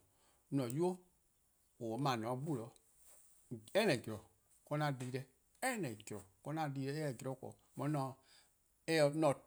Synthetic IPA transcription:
nɔ̃˨ju˦o˦ | o˨˦mã˨nɔ̃˨˦ɡ͡bu˦˨lɔ˨˦ | ɛ˦nɛ̃˨d͡ʒɾɔ˨ | kɔ˧nã˧˦˨diː˧˦ɾɛ˧ | ɛ˦nɛ̃˨d͡ʒɾɔ˨kɔ˧nã˧˦diː˧ɾɛ˧˦e˦ɛ˨d͡ʒɾɔ˦kɔ̰ː˨mɔ̃˨˦nɔ̃˨˧˦ | e˦ɛ˧nɔ̃˨

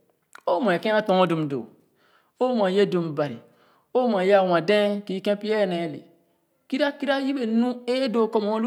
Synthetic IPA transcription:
o˦mõ˨e˨kẽ˦a˦tɔ̃˨˦o˦du˨mdo̰˨ | o˦mã˨je˦du˨mba˨ɾḭ˨ | o˦mã˨ja˦˨wã˨dẽ˦ki˨˦kẽ˦pi˦ɛ˦˨nẽ˨lḛ˨ | ki˦ɾa˦ki˦ɾa˦ji˦be˨nũ˦e˦do˨ko˦m˨˦lu˦

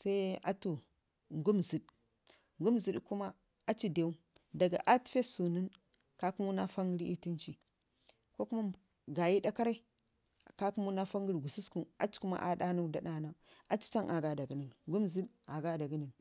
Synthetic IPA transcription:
sa˦i˦a̰˦tu˨ | ŋɡu˦mzi˨ɗ | ŋɡu˦mzi˨ɗku˦ma˦ | a˦t͡ʃi˦de˨u˦ | da˨ɡa̰˨ʔa˦ti̥˦fe˦su˨ni˦n | ka˦ku˦mu˦na˦fa˦ŋɡi˦ɾi˦ti˦nt͡ʃi˨ | ko˦ku˦ma˦ | ɡa˨ji˦da˦ka˦ɾa˦i˦˨ | ka˦ku˦mu˦na˦fa˦ŋɡi˦ɾɡu˨si˦sku˦˨na̰˨t͡ʃi̥˦ku˦ma̰˦ʔa˦ɗa˦nu˦da˨ɗa˦na˦a˨t͡ʃi̥˦t͡ʃa˦ŋʔa˨ɡa˨da˨ɡi˨ni˨nɡu˦mzi˦ɗ | a˨ɡa˦da˨ɡi˦ni˨n

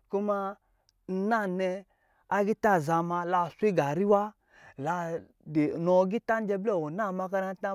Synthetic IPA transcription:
ko˦ma˧ | n̩˦na˦˨nɛ˧ | a˦ɡi˦ta˦˨za˧ma˧la˧˨sʷi˦ɡa˨ɾi˦wa˦ | la˧ | de˨nɔ˨˦ɡi˦ta˦n̩˦d͡ʒɛ˧blɛ˦˨ɔ˨na˦˨ma˧ka˧na˧˦ta˦

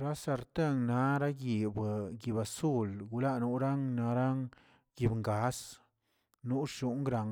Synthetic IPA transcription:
ɾa˦sa˧ɾt̪e˦ŋna˨˦ɾa˦ɡi˨bɡi˨ba˨su˦lɡu˧˦la˦nu˧˦ɾa˦ŋna˨˦ɾa˦ŋ | ɡi˧bŋɡa˨˦s | nu˦ʃu˦ŋɡɾa˨ŋ

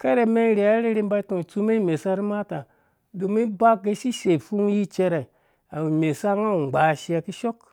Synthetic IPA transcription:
ke˦ɾe˨me˦n˦ɾi˨a˦ɾi˦ɾi˧˦m˦ba˧i˦to˨t͡su˦me˦me˨sa˦ɾi˦ma˦ta˨ | du˨mi˦ba˦k̚ɡe˧˦ʃi˦ʃe˨fu˦ŋ˦ji˦t͡ʃe˧ɾe˨ | a˨i˨me˨sa˦ŋa˦u˨ɡ͡ba˨ʃi˦a˧ki˦ʃo˦k

